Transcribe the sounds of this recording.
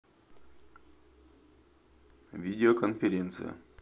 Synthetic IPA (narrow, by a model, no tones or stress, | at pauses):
vʲidʲɪokənfʲɪɾʲent̪sɨ̰jə̰